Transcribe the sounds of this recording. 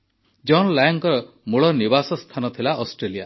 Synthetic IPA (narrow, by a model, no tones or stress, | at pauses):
d͡ʒɔnlajɔŋkɔɾɔ | muɭɔnibasɔst̪ʰanɔt̪ʰilaʔɔsʈɾelija